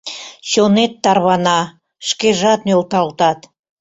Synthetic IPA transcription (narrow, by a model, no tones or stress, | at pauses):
ɕonet̪ːɑrβɑnɑ | ʃkeʒɑt̪̚nølt̪ɑlt̪ɑt̪